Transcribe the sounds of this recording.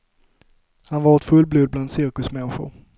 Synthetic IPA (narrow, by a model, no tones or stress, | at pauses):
hanvɑːɾɛt̪fɵlːbluːd̪̚bland̪sɪɾkɵsmɛnɧʊ̰ɾ